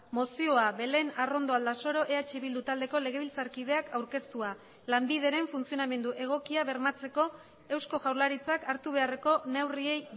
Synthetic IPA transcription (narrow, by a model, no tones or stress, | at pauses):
mo̞sio̞aβe̞le̞naro̞nd̪o̞ald̪aso̞ɾo̞ʔe̞at͡ʃiβild̪ut̪ald̪e̞kole̞ɣe̞βilt͡saɾkið̞e̞akʰawɾke̞st̪ua | lambið̞e̞ɾe̞ɱfunt͡sio̞name̞nd̪uʔe̞ɣ̞o̞kiaβe̞ɾmat͡se̞ko̞ | e̞wsko̞ʝawɾlaɾit͡sakaɾt̪uβ̞e̞are̞ko̞ne̞wrie̞j